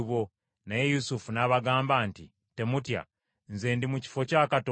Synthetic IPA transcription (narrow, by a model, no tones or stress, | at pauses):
βo | najejusufunaβaɡaːmbaːntḭ | te̞mutja̰ | nze̞ːndimuci̥fo̞caːkato